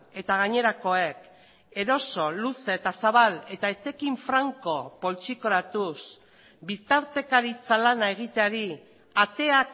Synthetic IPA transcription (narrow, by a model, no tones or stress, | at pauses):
e̞t̪aɣ̞aɲe̞ɾako̞e̞k | e̞ɾo̞so̞luseːt̪asaβale̞t̪aet̪e̞kiɱfɾaŋko̞po̞lt͡ʃiko̞ɾat̪us | bit̪aɾt̪e̞kaɾit͡salanae̞ɣ̞it̪e̞aɾi | at̪e̞ak